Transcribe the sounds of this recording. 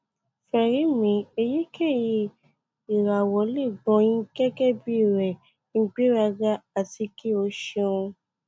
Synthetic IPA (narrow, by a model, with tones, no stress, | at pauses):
fɛ˨ɾi˨˦mĩ˨˦e˧je˦kʰe˦˨ji˧ | i˨ɾa˨wɔ˨˦le˦˨ɡ͡bɔ̃˧˦j̃ĩ˦kɛ˦kɛ˦˨bi˦i˦˨ɾɛ˨ | ŋ̩˦ɡ͡be˦ɾa˧ɡa˦a˨ti˧ki˦o˧˦ʃe˧ũ˧